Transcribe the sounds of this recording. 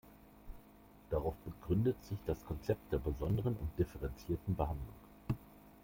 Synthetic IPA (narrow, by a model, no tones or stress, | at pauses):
d̥aʁaʊfb̥əɡʁʏndətz̥ɪçd̥askʰɔnt͡sɛp̚td̥eːɐbəzɔndəʁənʊ̰nt̚d̥ɪfəʁɛnt͡siːɐtn̩bəɦandlʊ̰ŋ